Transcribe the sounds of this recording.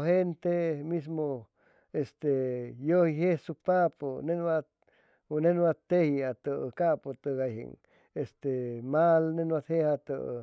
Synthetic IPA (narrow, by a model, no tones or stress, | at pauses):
ɦent̪emis̬mo | est̪ejohiɦehsupaponenwa | unenwat̪ehiat̪əkapot̪əɡajɦḛŋ | est̪emalnenwat̪hehat̪ə̰